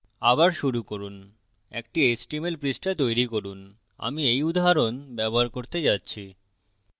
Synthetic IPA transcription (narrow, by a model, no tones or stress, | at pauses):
abaɾʃuɾukoɾun | ḛk̚ʈiesʈimelpɾisʈat̪ojɾikoɾun | a̰miejud̪aɦaɾonbɛboɦaɾkoɾt̪ed͡ʑatːɕʰi